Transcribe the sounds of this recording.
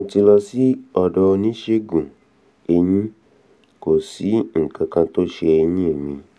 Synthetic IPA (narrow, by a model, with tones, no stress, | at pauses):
ti˧lɔ˧si˦ɔ˧dɔ˧nĩ˦ʃe˦ɡũ˨ | e˧ɲĩ˦ | ko˨si˨˦ŋ̩˨kã˧kã˧to˦ʃe˧e˧jĩ˦e˦˨mĩ˧